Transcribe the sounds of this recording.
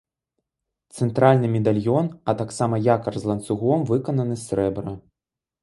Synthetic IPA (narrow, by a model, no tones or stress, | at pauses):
t̪sɛnt̪ɾalʲnɨmʲɛd̪alʲjɔnɐt̪aksamɐjakɐrzlˠɐnt̪suɣɔmvɨkɐnɐnɨsʲɾɛbɾɐ